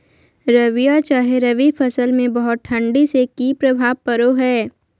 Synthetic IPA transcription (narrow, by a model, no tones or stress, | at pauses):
ɾɐʋijat͡ʃaːɦeɾɐʋifʰɐsəlmẽbɐɦʊt̪̚ʈʰɐ̃ɳɖisekipɾɐbʱaːʋpɐɾoɦɛː